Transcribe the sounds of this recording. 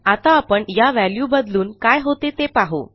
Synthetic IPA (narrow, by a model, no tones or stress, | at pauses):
at̪aːpəɳjaʋæljuːbəd̪luːnkajɦot̪et̪epaɦo̰